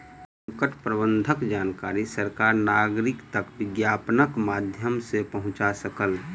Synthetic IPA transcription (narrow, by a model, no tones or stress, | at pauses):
sə̃ŋkəʈʰpɾəbə̃nd̪ʱəkd͡ʒaːnkaːɾisəɾkaːɾnaːɡɾɪkt̪ɐkʋɪɡjaːpnəkmaːd̪ʱjəmsepɐɦʊ̃t͡ʃasɐkəl